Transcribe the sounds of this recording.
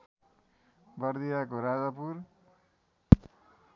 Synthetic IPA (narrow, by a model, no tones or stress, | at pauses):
bʌrd̪ijakoɾad͡zʌpur